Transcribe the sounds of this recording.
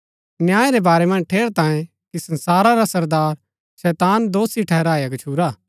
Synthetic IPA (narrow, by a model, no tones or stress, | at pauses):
njaːeɾebaːɾemɐ̃nd͡ʒʈʰeːɽt̪ãːẽ | kisɐ̃nsaːɾaɾasɐɾd̪aːɾ | sɛːt̪aːnd̪oːsiʈʰɛɦɾaːjaɡɐt͡ʃʰuːɾaː